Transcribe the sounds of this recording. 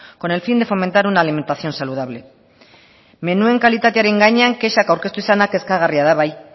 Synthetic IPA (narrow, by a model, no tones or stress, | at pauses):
ko̞ne̞lfind̪efo̞ment̪aɾunaːlime̞nt̪aθjo̞nsaluð̞aβ̞le̞ | me̞nue̞ŋkalit̪at̪̬eaɾeŋɡaɲaŋke̞ʃakawɾke̞st̪uisanake̞skaɣ̞ariað̞aβaj